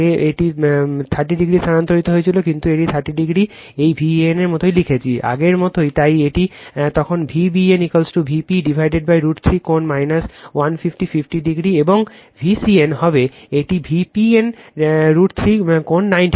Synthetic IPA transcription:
eeʈit̪ʰaɾʈːiɖiɡɾisanant̪oɾit̪oɦoet͡ɕʰilokint̪ueʈit̪ʰaɾʈːiɖiɡɾi | ejbʱieneɾmot̪ʰojlikʰet͡ɕʰiʔa̰ɡeɾmɔt̪ojt̪ajeʈit̪ɔkʰonbʱibienikolsʈubʱipiɖibʱajɖeɖ̚bajɾuʈt̪ʰɾikonmajnaswanfifʈififʰʈiɖiɡɾieboŋ | bʱisienhɔbeeʈibʱipienɾuʈt̪ʰɾikonːajnʈ

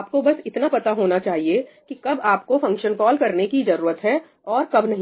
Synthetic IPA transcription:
p̚kobɐsɪt̪napɐt̪aɦoːnat͡ʃaːɦiekikɐbaːpkofɐ̃ŋkʃənkɔːlkɐɾnekid͡ʒɐɾuːɾət̪ɦɛ | ɔːɾkɐbnɐɦĩ

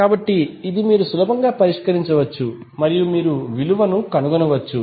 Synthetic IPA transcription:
kaːbɐʈːiːd̪imiːɾusulɐbʱɐŋɡaːpɐɾiʂkɐɾiɲt͡ʃɐʋɐt͡ʃːu | mɐɾijumiːɾuʋiluʋɐnukɐnuɡɐnɐʋɐt͡ʃːu

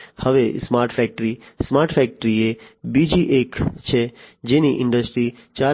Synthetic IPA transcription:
həʋesmaɾʈfɛk̚ʈəɾismaɾʈfɛk̚ʈəɾiebid͡ʒiʔekt͡ʃʰed͡ʒeniʔɪ̃ɳɖəsʈɾi | t͡ʃa

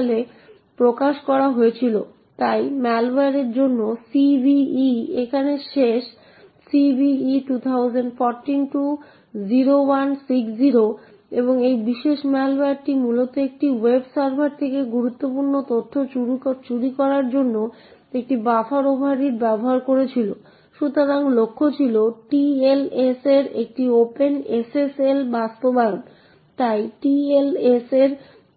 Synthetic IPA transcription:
le | pɾokaʃkɔɾaɦoet͡ɕʰilo̰ | t̪ajmɛlaɾeɾd͡ʑonːosibiiekʰaneʃeʃ | sibiiʈut̪ʰawd͡ʑeɳɖfɔɾʈinʈu | d͡ʑiɾowansiksd͡ʑiɾo | eboŋejbiʃeʃmɛlaɾʈimulot̪oek̚ʈiwebsaɾbʱaɾt̪ʰekeɡuɾut̪ːopuɾnot̪ot̪ʰːot͡ɕut͡ɕuɾikɔɾaɾd͡ʑonːo | ek̚ʈibafaɾobʱɦaɾiɾbɛboɦaɾkoɾet͡ɕʰilo | ʃut̪oɾaŋlokʰːot͡ɕʰiloʈieleseɾek̚ʈiopeneseselbast̪oban | t̪ajʈieleseɾ

